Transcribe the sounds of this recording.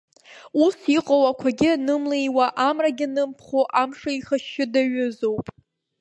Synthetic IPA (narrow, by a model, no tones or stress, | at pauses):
usiqʼowakʷʰaɡʲɪanɨmlejwaʔamraɡʲɪnɨmpʰχoʔamʂaiχaʃːɪdaɥʊzowpʼ